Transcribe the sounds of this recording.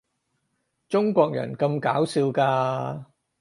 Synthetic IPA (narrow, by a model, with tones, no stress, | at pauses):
t͡ʃʊ˥ŋkʷɔː˧k̚jɐ̰˨˩nkɐ˧mkaː˨˥wsiː˧wkaː˧